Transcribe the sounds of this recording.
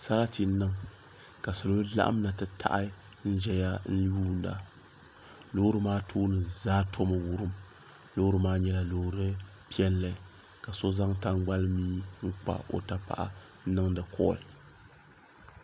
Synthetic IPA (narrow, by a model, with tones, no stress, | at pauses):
sa˦ɾa˦ti˨˦nɨ˦ŋ | ka˨so˨lo˦la̰˦ʔa̰˦m˦na˨tɨ˨tʰa̰˦ʔa˦ | n̩˦ʒɛ˦ja˦n̩˦juː˦˨n˦da̰˨ | lo˦ɾɨ˦maː˦tʰoː˦nɨ˨zaː˦tʰo˦mɨ˨wu˦ɾɨ˦m | lo˦ɾɨ˦maː˦ɲɛ˦la˨lo˨ɾɨ˦ | pi˦ɛ˦lːɨ˨ | ka˨so˦za˦ŋta˦ŋɡ͡ba˦lmiː˦ŋ̩˦k͡pa̰˨o̰˨ta˦pa̰˨ʔa̰˦ | nɨ˦ŋdɨ˨kʰɔ̰ː˦˨l